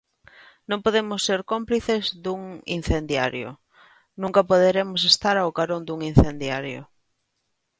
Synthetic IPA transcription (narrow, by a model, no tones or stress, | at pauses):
nõŋpoðemʊsːeɾkompliθezðuŋḭn̟θend̪ja̰ɾjo̰ | nũŋkɐpoðeɾemʊs̬est̪aɾawkaɾond̪uŋin̟θend̪jaɾjo̰